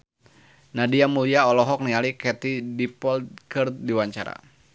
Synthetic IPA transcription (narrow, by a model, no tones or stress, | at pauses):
nadiamuliaɔlɔɦɔk̚nialikɛt̪idipɔlt̪̚kər̚diwaɲt͡ʃa̰ɾa̰